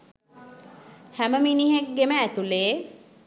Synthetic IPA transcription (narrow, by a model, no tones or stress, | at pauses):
hæməminiɦek̚ɡeməːt̪uleː